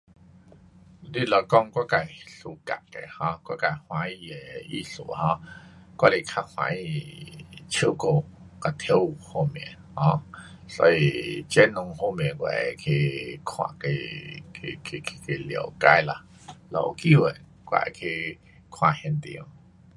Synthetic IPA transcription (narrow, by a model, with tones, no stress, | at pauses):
li˦˨lo˧˩kɔ˧ŋkwa˦˥ka˨jɬu˧ka̰˨ʔke˨hɔ̃˧kwa˦˥ka˨jhw̃ã˧˦i˧jɛ˨i˧ɬṵ˨hɔ̃˧kwa˦li˧kʰa˧hw̃ã̰˧˦i˧ | t͡ɕʰi˧˦ko˧˨ | ka˨t̪ʰo˧˦˨ho˧mɛ̰̃˨hɔ̃˧ | sɔ̰˧i˧t͡ɕɛ˦˥nʊ̃˧ŋho˧m˨ɛ̃˨˩kwa̰˧˨e˨kʰe˧kʰwã̰˧˨ke˧kʰkʰe˧kʰi̥˧ke˧ljə˨˩wka˧jla˧˨ | lo̰˧˩˨ki˦wə˨n | kʷa̰˧˨kʰi˧ | kʰw̃ã˧˨hɛ̃˧nt̪ḭ˧˨ə˧˨ŋ